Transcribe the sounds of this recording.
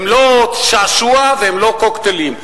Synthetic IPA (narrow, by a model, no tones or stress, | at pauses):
mloʃaːʃuavehemlokokt̪elim